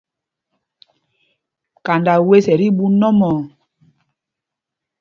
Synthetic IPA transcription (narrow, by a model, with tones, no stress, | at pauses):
ka˨nda˨we˦sɛ˨ɾi˦bu˦nɔ˦mɔ˨